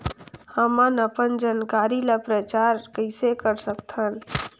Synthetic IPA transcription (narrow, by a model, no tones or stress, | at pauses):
həmənəpənd͡ʒankaːɾilapɾət͡ʃaːɾkəɪsekəɾsəkt̪ʰən